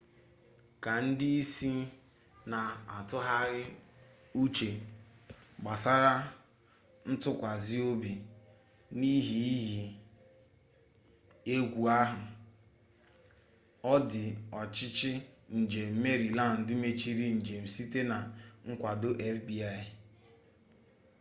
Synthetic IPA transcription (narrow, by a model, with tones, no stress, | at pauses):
ka˨n̩˦dɪ˦i˦si˦ | na˨a˨tʊ˦ɦa˦ɣɪ˦ | u˦t͡ʃe˨ | ɡ͡ba˨sa˦ɾa˦ | n̩˦tʊ˦kʷa˨zi˦o˦bi˨ | ni˦ɦi˨i˦ɦi˨ | e˦ɡʷu˨a˦ɦʊ˨ | ɔ˦dɪ˨ɔ˨t͡ʃɪ˦t͡ʃɪ˦ | n̩˨d͡ʒe˨m̩˦me˦ɾi˨la˦˨n̩˨dɪ˦me˦t͡ʃi˦ɾi˦n̩˨d͡ʒe˨m̩˨si˦te˦na˨ŋ̩˦kʷa˨dʊ˦ʔe˦fbi˨a˦˨ɪ˨